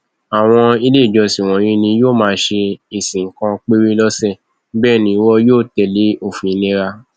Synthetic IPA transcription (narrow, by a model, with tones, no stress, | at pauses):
a˨w̃ɔ̃˧i˧le˦i˦˨d͡ʒɔ˧si˨w̃ɔ̃˨˦ɾĩ˦nĩ˧joː˦˨mãː˨˦ʃe˧i˨sĩ˨ŋ̩˨kã˧k͡pe˦ɾi˦lɔ˦sɛ˦˨ | bɛː˦˨nĩ˧i˧wɔ˦joː˦˨tɛ˧˨le˨˦o˦˨fĩ˨i˧˦le˦ɾa˧